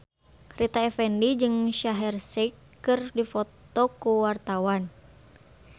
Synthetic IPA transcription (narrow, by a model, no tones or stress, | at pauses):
rit̪aɛfɛndid͡ʒɨŋʃaɦɛrsikː | ɨrdifɔt̪ɔkuwart̪awan